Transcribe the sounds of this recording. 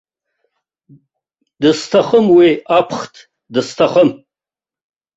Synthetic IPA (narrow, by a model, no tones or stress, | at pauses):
dɨstʰaχəmwiapʰχtʰ | dɨstʰaχəm